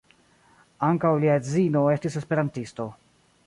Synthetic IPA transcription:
aŋkawliad͡zino̞e̞stise̞spe̞ɾantisto̞

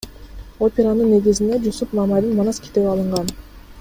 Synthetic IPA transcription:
opʲe̞ɾanɯnːe̞ɡizind̪e̞d͡ʒusupmɑmajd̪ɯnmɑnɑskʲʰi̥t̪eβiɑlˠɯɴʁɑn

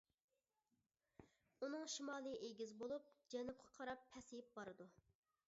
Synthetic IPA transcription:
unɨŋʃimɑːlˠɨʔeɡʲizbolˠup̚d͡ʒɛnup̚qʰɑ̥qʰɑɾɑpʰːɛsɪjɪp̚bɑɾɨd̪u

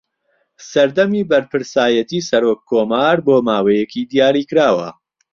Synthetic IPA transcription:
sɐɾd̪ɐmibɐɾpɨɾsaːjɐt̪iːsɐɾokʰːoːmaːɾboːmaːwejɛkʰiːd̪ijaːɾiːkɾaːwɐ̰

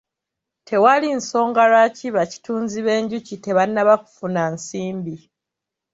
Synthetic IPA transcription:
tʰe̞walinso̞ːŋɡalaciβaci̥tuːnziβe̞ːɲɟucite̞βanːaβaku̥funansiːmbi

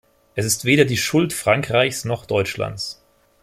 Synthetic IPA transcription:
ʔɛsɪstv̥eːɾɐdiːʃʊltfʁ̥aŋkʁ̥aɪçsnɔχd̥ɔʏt͡ʃla̰nt͡s

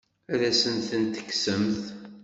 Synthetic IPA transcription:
æɾæsənθənt̪ːə̥kːsəmθ

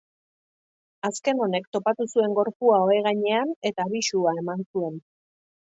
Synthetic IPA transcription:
aske̞no̞ne̞kt̪o̞pat̪usue̞ŋɡo̞ɾpuao̞eɣ̞aɲe̞ane̞t̪aːβiʃuae̞mansue̞n

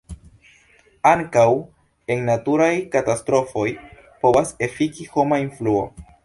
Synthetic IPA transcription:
aŋkaw | e̞ŋnatuɾajkatastɾo̞fo̞j | po̞vase̞fikiho̞mainfluo̞̰

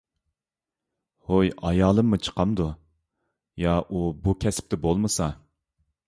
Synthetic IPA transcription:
hojɑjɑːlˠɨmːut͡ʃʰə̥qʰɑmd̪u | jɑʔubukʲʰɛsɪ̥p̚t̪ɪbolˠmɨsɑ

